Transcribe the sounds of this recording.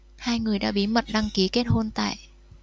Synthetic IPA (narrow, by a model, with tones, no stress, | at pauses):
haː˧jŋɨ˨˩əjɗa̰ː˧˥ɓi˨˦mə˨˩t̚ɗa˧ŋki˨˦ke˦˥t̚ho˧nt̪a̰ː˧˨j